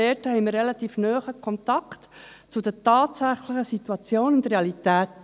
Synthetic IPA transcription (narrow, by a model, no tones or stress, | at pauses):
ɛthɛɪmiːrelɑt̪iːfnœːχəkʰɔnt̪ɑktt͡sʊdətɑːtsæχləχəsit̪uɑt͡sjoːnʊndɾeɑlitæːt